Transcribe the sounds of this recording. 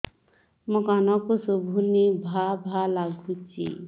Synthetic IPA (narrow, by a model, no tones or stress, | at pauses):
mɔkanɔkosubʱunibʱabʱalaɡʱut͡ʃʰḭ